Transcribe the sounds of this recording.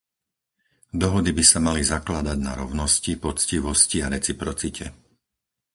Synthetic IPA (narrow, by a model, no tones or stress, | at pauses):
d̪ɔɦɔd̪ibisamalizaklad̪aɟna̰ɾɔʊnɔscipɔt͡sciʋɔsciaɾɛt͡sipɾɔt͡sicʰɛ